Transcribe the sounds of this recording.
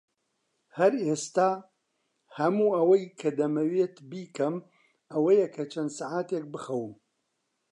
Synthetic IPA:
hɐɾest̪aː | hɐmuːʔɐwɐjkʰɐd̪ɐmɐweːt̪biːkɐm | ɐwɐjɐkʰɐt͡ʃʰɐnd̪saʕaːt̪ek̚bɨxɐwɨm

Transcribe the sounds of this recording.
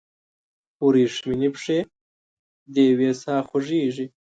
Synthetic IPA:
uɾiːʂminipʂeː | d̪eːweːsɑːxʊʐiːʐi

